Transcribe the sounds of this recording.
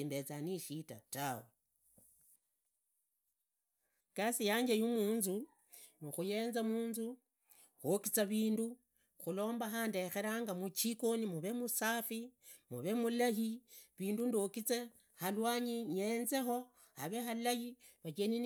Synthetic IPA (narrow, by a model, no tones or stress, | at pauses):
imbet͡saniʃita̰tawe | kasijaːɲd͡ʒejumuːnzu | nuxuje̞ːnzamuːnzu | xokit͡saβiːndu | xulo̞ːmbaxaːnde̞xe̞ɾaŋɡamut͡ʃiko̞nimuβe̞musafimuβe̞mulahiβiːndundokit͡se | halwaːɲiɲe̞ːnze̞xo̞ | haβe̞xalahi | βat͡ʃenin